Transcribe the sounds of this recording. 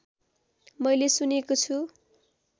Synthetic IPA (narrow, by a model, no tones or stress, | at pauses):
mʌjlesunekot͡sʰu